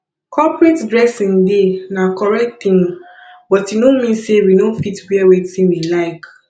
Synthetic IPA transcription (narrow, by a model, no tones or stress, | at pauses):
kʰɔpɹetdɹɛsĩndenakʰɔɹɛk̚t̪ĩŋ | bɔtinomĩnsewinofitwɛwetĩnwilaɪk